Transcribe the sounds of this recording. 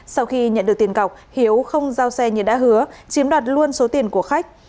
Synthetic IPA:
sa˧wxi˧ɲə̰˧˨nɗɨ˨˩ə˩k̚t̪i˨˩ə˩ŋka˨˩wk͡p̚hi˨˦əwxə˧wŋ͡mzaː˧wsɛ˧ɲɨ˧˩ɗa̰ː˧˥ɦɨ˨˦ət͡ɕi˨˦əmɗwaː˨˩t̚lu˧ənso˨˦t̪i˨˩ənku˧˩əxa˦˥jk̟̚

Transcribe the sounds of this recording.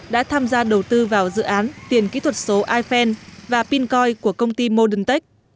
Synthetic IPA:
ɗa̰ː˧˥t̪ʰaː˧mzaː˧ɗə˨˩wt̪ɨ˧vaː˨˩wzɨ̰˧˨ʔaː˨˦nt̪i˨˩ənkḭ˧˥t̪ʰwə˨˩t̚so˨˦ʔaː˧jfɛ˧nvaː˨˩pi˧nkɔ˧jku˧˩əkə˧wŋ͡mt̪i˧mo˧ɗɨ˨˧˩ŋt̪ə˦˥k̚

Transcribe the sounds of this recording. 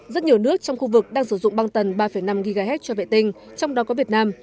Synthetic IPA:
zə˦˥t̚ɲi˨˩nɨ˦˥ək̚t͡ɕɔ˧wŋ͡mxu˧vɨ˨˩k̚ɗaː˧ŋsɨ˧˩zʊ̰˧˨ŋ͡mɓa˧ŋt̪ə˨˩nɓaː˧fə˨˩jna˧mɣi˧ɣaː˧ɦɛ˦˥t̚t͡ɕɔ˧vḛ˧˨t̪ï˧ŋ̟ | t͡ɕɔ˧wŋ͡mɗɔ˨˦kɔ˨˦vi˨˩ət̚naː˧m

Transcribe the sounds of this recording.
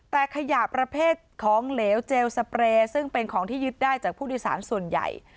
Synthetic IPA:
t̪ɛː˨˩kʰa˧jaː˨˩pːɾa˧pʰeː˥˩t̪̚kʰɔː˩˦ŋleː˩˦wt͡ɕeː˧wsa˧pɾeː˧sɯ˥˩ŋpe˧nkʰɔː˩˦ŋt̪ʰiː˥˩jɯ˦˥t̪̚daː˥˩jt͡ɕaː˨˩k̚pʰuː˥˩duː˥˩jsa̰ː˩˦nsu˨˩ənja̰˨˩j

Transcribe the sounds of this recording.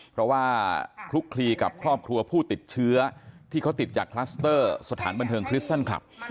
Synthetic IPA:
pʰɾɔ˦˥waː˥˩kʰɾu˦˥kʰɾiː˧ka̰˨˩p̚kʰɾɔː˥˩p̚kʰɾu˧ɐpʰuː˥˩t̪i˨˩t̪̚t͡ɕʰɯ˦˥ɐt̪ʰiː˥˩kʰa˦˥wt̪i˨˩t̪̚t͡ɕaː˨˩kʰlaː˦˥st̪ɤː˥˩sa˧t̪ʰaː˩˦nba˧nt̪ʰɤː˧ŋkʰɾi˦˥t̪a˥˩nkʰla̰˨˩p̚

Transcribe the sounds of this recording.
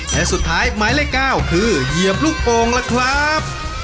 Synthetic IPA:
lɛː˨˩su˨˩t̪ʰːaː˦˥jma˦˥jlɛː˦˥˩kaː˥˩wkʰɯː˧ji˨˩əp̚luː˥˩k̚poː˧ŋlɛː˦˥wkʰɾa˦˥p̚

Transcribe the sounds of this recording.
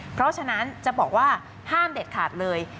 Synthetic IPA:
pʰɾɔ˦˥t͡ɕʰa˧na˦˥nt͡ɕa˨˩ʔbɔː˨˩k̚waː˥˩ | haː˥˩mde˨˩t̪̚kʰaː˨˩t̪̚lɤː˧j

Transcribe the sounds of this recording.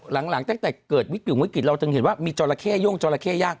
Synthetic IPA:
la˩˦ŋla˨˩˦ŋt̪ɛː˧˩t̪ɛː˨˩kɤː˨˩t̪̚wi˦˥ki˨˩˦ŋwki˨˩t̪̚ɾa˧t̪ʰɯ˧ŋhe˩˦nwaː˥˩miː˧t͡ɕɔː˧la˧kʰɛː˥˩juː˥˩˨ŋt͡ɕɔː˧la˧kʰɛː˥˩jaː˥˩k̚

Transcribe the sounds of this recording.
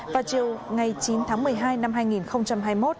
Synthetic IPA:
vaː˨˩wt͡ɕi˨˩əwŋa˨˩jt͡ɕi˨˦nt̪ʰaː˨˦ŋmɨ˨˩əjɦaː˧jna˧mɦaː˧jŋi˨˩nxə˧wŋ͡mt͡ɕa˧mhɦaː˧jmo˦˥t̚

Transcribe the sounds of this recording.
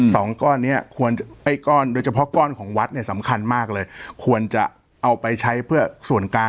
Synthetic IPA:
sɔː˩˦ŋkɔː˥˩nːi˦˥ɐkʰu˧ənt͡ɕa˨˩ʔa˥˩jkɔː˥˩ndoː˧jt͡ɕʰa˧pʰɔ˦˥kɔː˥˩nkʰɔː˩˦ŋwa˦˥t̪̚ni˥˩ɐsa˩˦mkʰa˧nmaː˥˩k̚lɤː˧jkʰu˧ənt͡ɕa̰˨˩ | ʔa˧wpa˧jt͡ɕʰa˦˥jpʰɯ˥˩ɐsu˨˩ənkaː˧

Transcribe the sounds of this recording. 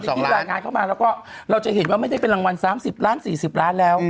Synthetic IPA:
sɔː˨˦˥aː˨˧˩kaː˧nkʰa˥˩wmaː˧ɾaː˦˥wkɔː˥˩ɾa˧wt͡ɕa˨˩ʔhe˨˩˦n̚waː˥˩m˥˩jda˥˩jpe˧nla˧ŋwa˧nsaː˩˦msi˨˩p̚laː˦˥nsiː˨˩si˨˩p̚ɾaː˦˥nlɛː˦˥w

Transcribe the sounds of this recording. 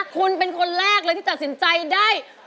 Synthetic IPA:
kʰu˧npe˧nkʰo˧nɾɛː˥˩k̚lːɤː˧j̪ʰi˥˩a˨˩t̪si˩˦nt͡ɕa˧jdaː˥˩j

